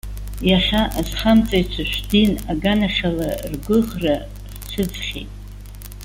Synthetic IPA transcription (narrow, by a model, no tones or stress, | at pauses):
jaχʲaʔazχamt͡sʼajt͡ʃʷʰaʃʷᶣdinaɡanaχʲalarɡʷʊʁra | rt͡ʃʷʰɨd͡zχʲḭtʼ